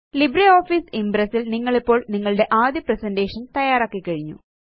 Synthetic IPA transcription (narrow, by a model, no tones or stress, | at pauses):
libɾɐoːfiːsimbɾɐsilniŋːɐɭipːo̞ːɭniŋːɐɭɨɽe̞ʔaːd̪jɐpresɐnde̞ːʂɐnt̪ɐjaːɾaːkːikːɐɻiɲːṵ